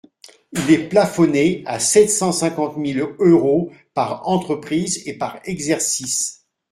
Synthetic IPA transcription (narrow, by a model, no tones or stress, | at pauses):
ilɛplafɔneasɛt̪sɑ̃sɛ̃kɑ̃t̪miløʁopaʁɑ̃t̪χəpχizepaʁɛɡzɛʁsis